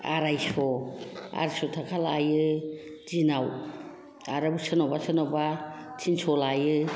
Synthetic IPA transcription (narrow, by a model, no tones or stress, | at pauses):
aɾajsɔa̰ɾsɔtʰakʰalajɯ | zinaw | aɾabusɯnɔbasɯnɔbatʰinsɔlajɯ